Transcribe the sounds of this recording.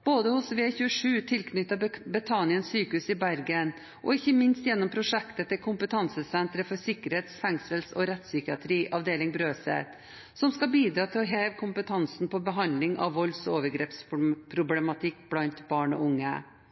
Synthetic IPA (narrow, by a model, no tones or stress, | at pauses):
b̥oːd̪əhʊsʋeːçʉːəʂʉːt̪ʰɪlkʰnʏt̪ːɑbɛt̪ʰɑnɪənsyːkʉsɪbæɾɡən | ʔɔɪçːəmɪnst̪jɛnːɔmpʰɾʊʂɛkt̪ət̪ɛkʰʊmpət̪ʰɑnsəsɛnt̪ɾəfɔsɪkəɾheːt̪sfɛŋsəlsɔ̰ɾɛt̪ːsʏkɪɑt̪ʰɾiːʔɑʋd̪eːlɪŋbɾøːsḛːt̪ | sɔmskɑbiːd̪ɾɑːt̪ʰɪlɔɦeːʋkʰʊmpət̪ʰɑnsnpɔbəɦɑnd̪lɪŋʔɑ̰ʋʋɔlsɔoːʋəɾɡɾeːpspʰɾʊblɛmɑt̪ʰɪkːblɑnt̪bɑːɳɔ̰ʔʊŋːə̰